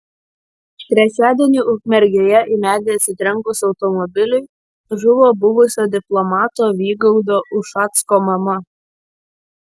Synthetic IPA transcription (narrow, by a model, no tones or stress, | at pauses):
t̪ʲɾʲɛt͡ʃʲæːd̪ʲɛnʲiːʔʊkmʲɛɾʲɡʲeːjɛʔɪmʲæːd̪ʲeɛsʲɪt̪ʲɾʲɛŋˑkʊsʲɒʊt̪ɔmɔbʲɪlʲʊɪ | ʒʊʋoːbʊʋʊsʲoːd̪ʲɪplˠɔmɑːt̪oːʋʲiːɡɐʊd̪oːʔʊʃɑt̪skoːmɐmɐ